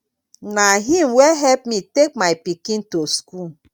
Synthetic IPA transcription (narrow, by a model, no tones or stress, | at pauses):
naɦĩmweɦɛlp̚mitek̚maɪpikĩntoskul